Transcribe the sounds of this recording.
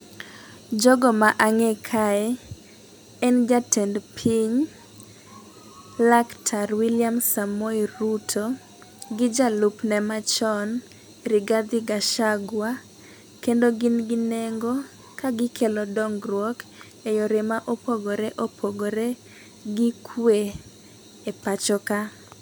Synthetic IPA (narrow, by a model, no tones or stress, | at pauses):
d͡ʒɔɡɔmaʔaŋɛkʰaɛ | ɛnd͡ʒatʰɛndpʰiɲ | laktʰaɾwiljamsamoiɾutʰo | ɡɪd͡ʒalupnɛmat͡ʃɔn | ɾɪɡad̪ɪɡaʃaɡwa | kendoɡɪnɡɪneŋɡo | kaɡɪkʰelɔdɔŋɡrwɔk | ejoɾemaʔopoɡoɾɛʔopʰoɡoɾe | ɡikʰwe | epat͡ʃɔka